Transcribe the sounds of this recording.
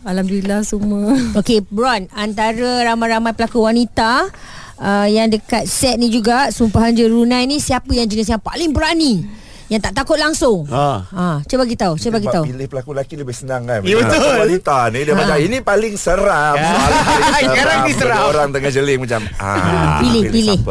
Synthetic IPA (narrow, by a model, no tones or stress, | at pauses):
alamdilahsumə̃okebɾɔnant̪aɾəɾamajɾamajpəlakuwanit̪a | əjaŋdəkat̪̚sɛt̪̚nĩd͡ʒuɡasumpaɦand͡ʒəɾunãjnĩsiapəjaŋd͡ʒənis̬jaŋpa̰lɪŋbəɾani | jaŋt̪aʔt̪akʊt̪̚laŋsʊŋaãt͡ʃəbaɡit̪aut͡ʃəbaɡiauilɪhpəlakulakiləbɪhsənaŋkanət̪olwanit̪anidəad͡ʒainĩpalɪŋsəɾaaaɾanisəɾaoɾaŋt̪əŋad͡ʒəlɪŋmãt͡ʃam | a̰pilɪpilɪh